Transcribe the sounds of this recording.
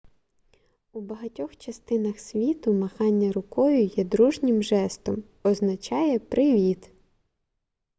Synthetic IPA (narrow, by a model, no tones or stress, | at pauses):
ubɐɦɐtʲɔxt͡ʃɐst̪ɪnɐxsʲʋʲit̪ʊmɐxɑnʲːɐɾʊkɔjʊjɛd̪ɾuʒnʲɪmʒɛst̪ɔm | ɔznɐt͡ʃɑjɛpɾʔɪʋʲit̪